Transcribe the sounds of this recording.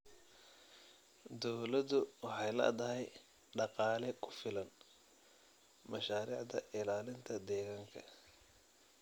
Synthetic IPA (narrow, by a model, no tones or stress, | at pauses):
d̪ɔwlɐd̪ʊwɑħɑjlɐ̰d̪ɐɦɛj | ɖɑqɑːlɛkʰʊfɪlɐn | mɐʃaːɾḭːʕd̪ɐʔɪlaːlɪnt̪ʰɐd̪ɛːɣaːŋkʰɐ̰